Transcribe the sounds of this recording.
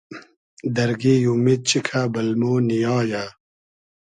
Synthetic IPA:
d̪ɐɾɡijumid̪̚t͡ɕikʰaːbɐlmoːnijaːjaː

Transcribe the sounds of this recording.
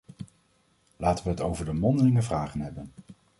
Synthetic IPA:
laːtəʋəɦətowvəɹdəmɔndəlɪŋəvraːχənɦɛbən

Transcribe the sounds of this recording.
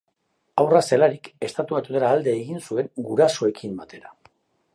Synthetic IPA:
awrase̞laɾike̞st̪at̪uβajt̪ut̪elaːld̪e̞ːɣinsue̞ŋɡuɾaso̞e̞kʰimbat̪ʰe̞ɾa

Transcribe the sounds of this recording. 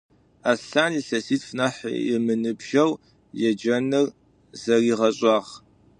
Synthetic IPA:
aːɬaːniɬɐsiːtfnɐħɪ̰mɨnɨbʒ̥ɐw | jɛd͡ʒɐnɨr | zɐriːʁɐɕʼɑːʁ

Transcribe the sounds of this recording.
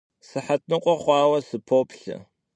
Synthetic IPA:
sɨħat̚ʰnɨqʷɔχʷɑːwɐsɨpʰoːpɬɐ̰

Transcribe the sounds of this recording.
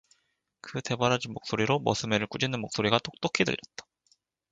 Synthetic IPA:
kɯte̞baɾad͡ʑinmok̚s͈oɾiɾomʌsʰɯmeɾɯɭk͈ud͡ʑinɯnmok̚s͈oɾiɡat͈ok̚t͈okʰidɯ̰ʎːʌt̚t͈ḁ

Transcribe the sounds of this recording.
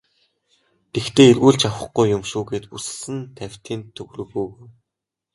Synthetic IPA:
t̪ext̪ʰeːerɣuːɮt͡ɕawə̆χɡujːʊmʃuːɡeːt̪us̆sɘ̆nt̪ʰæw̥ʲt̪ʰiːnt̪ʰːɵɣrɵ̆ɣuːɣoj

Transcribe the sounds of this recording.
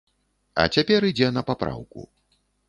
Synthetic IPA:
ɐ̰t͡sʲapʲɛɾid͡zʲɛnɐpapɾa̰wkṵ

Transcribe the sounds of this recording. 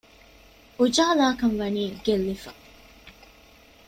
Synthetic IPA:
ud͡ʒaːlaːkɐnʋɐniːɡelːifɐ

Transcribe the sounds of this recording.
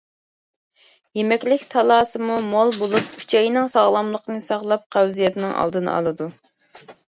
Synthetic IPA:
jemɛkʲlɪkʲt̪ʰɑlˠɑːsɨmumolˠbolˠup̚kʰy̥t͡ʃʰɛjnɪŋsɑʁlˠɑmlˠəqnɨsɑʁlˠɑp̚qʰæwzijɛt̪nɨŋʔɑ̰lˠd̪ɨnɨ̰ɑ̰lˠɨd̪u

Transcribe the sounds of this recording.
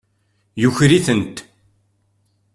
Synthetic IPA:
juçɾiθənt̪

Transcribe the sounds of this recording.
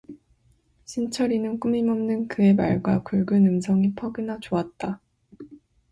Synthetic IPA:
ɕʰint͡ɕʰʌɾinɯnk͈umimʌmnɯnkɯe̞ma̰ɭɡwakuɭɡɯnɯmsʰʌŋipʰʌɡinat͡ɕoat̚t͈a

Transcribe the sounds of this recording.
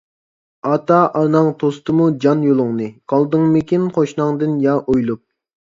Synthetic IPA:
ɑt̪ɑʔɑnɑŋt̪ʰost̪ɨmud͡ʒɑnjolˠʊŋnɨqʰɑlˠd̪ɨŋmɪkʲinqoʃnɑŋd̪ɨnjɑʔojlˠup̚

